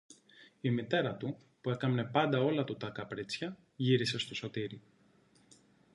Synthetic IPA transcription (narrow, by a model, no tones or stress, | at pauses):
imit̪e̞ɾɐt̪upue̞kɐmne̞pɐnd̪ɐo̞lɐt̪ut̪ɐkɐpɾit͡sçɐ | ʝiɾise̞st̪o̞so̞t̪iɾi